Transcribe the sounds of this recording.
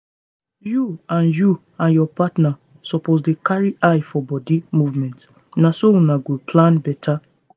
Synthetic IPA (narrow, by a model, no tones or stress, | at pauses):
juãnju | ãnjɔpatna | sɔpozdekaɹiʔajfɔbɔdimuvmɛ̃nt | nasounaɡopʰlãnbɛtʰa